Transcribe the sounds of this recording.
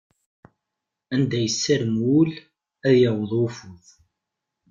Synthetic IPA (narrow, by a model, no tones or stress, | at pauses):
ænd̪æjəsːæɾəmwul | æðjəwəðˤʊfʊθ